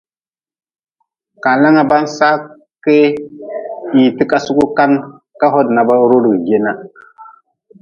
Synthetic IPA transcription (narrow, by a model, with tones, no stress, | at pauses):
ka˨la˦ŋa˦ba˦nsa˦ | ke˦ | i˨ti˦ka˨su˦ku˦ka˦n | ka˦ɦo˦dna˨ba˦ɾo˦ɾɡi˨ɡe˦na˦